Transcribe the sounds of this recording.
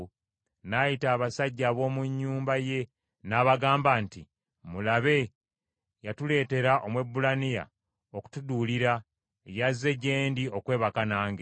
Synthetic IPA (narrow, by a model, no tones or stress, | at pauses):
najitaːβasaɟːaːβo̞ːmuɲːuːmbaje̞ | naːβaɡaːmbanti | mulaβe̞ | jatule̞ːte̞ɾaʔo̞mwe̞bːulanija̰ | oku̥tuduːliɾa | ejazːe̞ɟe̞ːndio̞kwe̞ːβakanaːŋɡe